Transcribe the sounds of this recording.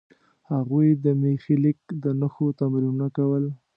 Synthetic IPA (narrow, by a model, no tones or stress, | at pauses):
haɣujd̪əmexilɪk̚d̪ənəxot̪amɾinunakawəl